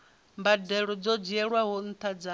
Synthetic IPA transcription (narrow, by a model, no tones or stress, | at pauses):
mbadɛɺɔd͡zɔd͡ʒiɛɺwaɦɔn̩t̪ʰad͡za